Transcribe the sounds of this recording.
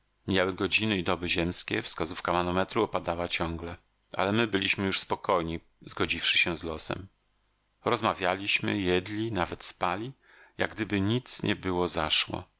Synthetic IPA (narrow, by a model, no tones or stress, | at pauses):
mʲjawɘɡɔd͡ʑinɘid̪ɔbɘʑɛmskʲɛ̰fskazufkamanɔmɛt̪ɾuɔpad̪awat͡ɕɔ̃ŋɡlɛ | ʔa̰lɛmɘbɘlʲiɕmɘjuʂspɔkʰɔjɲi | zɡɔd͡ʑifʂɘ̥ɕɛzlɔsɛ̰m | ɾɔzmavʲjalʲiɕmɘ̰jɛd̪lʲinavɛt̪spalʲi | ja̰ɡd̪ɘbɘɲit̪sɲʔɛ̰bɘwɔzaʂwɔ̰